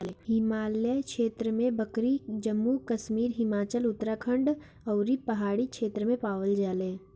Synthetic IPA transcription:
ɦɪmaːljəkʃeːt̪ɾəmẽbɐkɾid͡ʒəmːukɐʃmiːɾɦɪmaːt͡ʃəlʊt̪ɾakʰə̃ɳɖ | ɔːɾipɐɦaːɽikʃeːt̪ɾəmẽpaːʋəld͡ʒaːlẽː

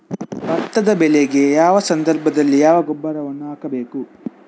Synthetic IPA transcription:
bɐt̪ːɐd̪ɐbɛleɡe̞jaːʋɐsɐnd̪ɐɾbʱɐd̪ɐlːijaːʋɐɡobːɐɾɐʋɐnːuaːkɐbe̞ːku

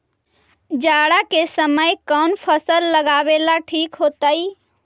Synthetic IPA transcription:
d͡ʒaːɽakesəməjkɔːnpʰəsəlːəɡaːweːlaʈʰiːkɦoːt̪aːiː

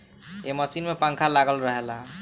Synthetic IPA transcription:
eməsinmepãŋkʰalaɡəlɾəɦela

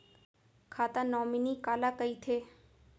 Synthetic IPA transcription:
kʰaːt̪ãnɔːminikaːlakəit̪ʰeː

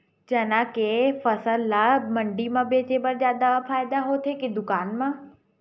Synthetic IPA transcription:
d͡ʑɐnakefɐsəlːamɐ̃ɳɖimãbeːt͡ɕeːbəɾd͡ʑaːd̪aafaːɪd̪aɦot̪ʰeked̪ʊkaːnmã

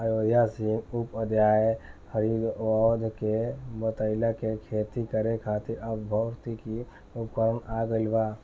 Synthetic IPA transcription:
ajoːd̪ʱjasiŋupəd̪jaːehəɾid̪ɔːd̪ʱkebət̪əɪlakekʰeːt̪ikəɾekʰaːt̪iɾʔəbbʱəʊɾt̪iki | ʊpkəɾənaːɡəlbaː

